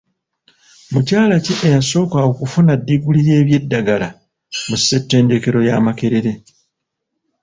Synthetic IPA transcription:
mucaːlaciʔejaso̞ːkaokufunadːiɡulije̞ːβje̞dːaɡala | musːe̞tːe̞ːnde̞ke̞ɾo̞jaːmake̞ɾeɾe

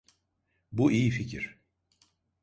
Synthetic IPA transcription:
buʔijificʰiɾ̥

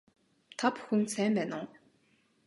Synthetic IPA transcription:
t̪ʰapxunsæːmpæːnʊː

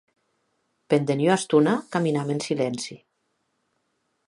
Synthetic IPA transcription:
pend̪enjoast̪unakaminamensilɛnsi

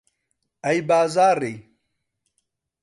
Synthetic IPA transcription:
ɐjbaːzaːɾij

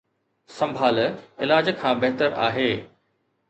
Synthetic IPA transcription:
sɐ̃mbʱaːlɪlaːd͡ʑkʰãːbɐɦt̪əɾa̰ːɦeː

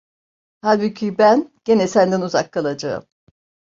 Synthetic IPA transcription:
halʲbicʰibænɟe̞nɛsænd̪ænuzakʰːalˠad͡ʒa̰ɯ̰m

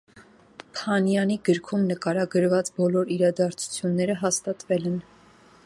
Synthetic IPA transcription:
pʰɑnjɑniɡəɾkʰumnəkɑɾɑɡəɾvɑt͡sbɔlɔɾiɾɑd̪ɑɾt͡sʰu̥t͡sʰjunːɛɾəɦɑst̪ɑt̪vɛlɛn

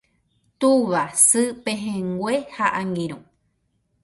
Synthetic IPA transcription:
t̪uβasɨpẽɦẽŋɡʷehaʔaŋɡĩɾ̃ũ

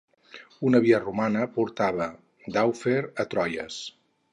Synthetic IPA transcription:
unəβiərumanəpuɾt̪aβə | d̪awfeɾət̪ɾɔjə̰s

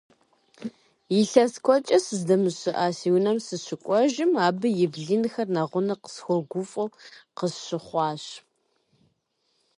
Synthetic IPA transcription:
jɪɬɐskʷʰɔt͡ʃʼɐsɨzdɐmɨɕɪʔaːsiːwnɐmsɨɕɪkʷʼɔʒɪmaːbɨjɪbɮinxɐrnɐʁʷʊnɐqə̥sxʷɔɡʷʊfʼɐwqəsɕɪχʷɑːɕ

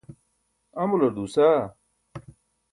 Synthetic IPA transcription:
ɐmulɐd̪usa

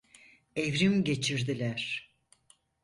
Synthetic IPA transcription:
evɾimɟe̞t͡ʃʰiɾd̪ilʲæɾ̥

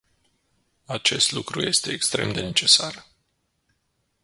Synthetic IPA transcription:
at͡ʃe̞st̪lukɾuje̞st̪e̞ːkst̪ɾe̞md̪e̞ne̞t͡ʃe̞sar

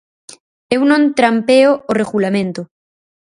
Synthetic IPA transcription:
ewnõnt̪ɾampeooreɣulamẽnt̪o

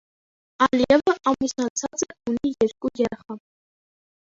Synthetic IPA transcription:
ɑliɛvəʔɑmisɑt͡sʰɑt͡sɛunijɛɾkujɛɾɛχɑ

